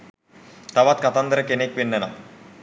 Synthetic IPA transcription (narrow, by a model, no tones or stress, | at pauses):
t̪aʋat̪̚kat̪and̪ɾəkenek̚ʋenːɛna